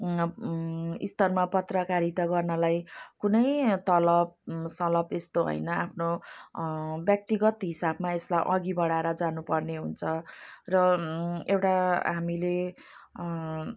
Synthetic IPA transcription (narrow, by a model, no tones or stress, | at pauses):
ḭst̪ʌrmapʌt̪rʌkaɾit̪ʌɡʌrnʌlajkunʌjt̪ʌlʌb̚sʌlʌbest̪oɦʌ̰jnʌapʰno | bjʌk̚t̪iɡʌt̪ɦisabmaeslajʔʌɡibʌɽaeɾʌd͡zanupʌrneɦunt͡sʰʌrʌewʈaɦamile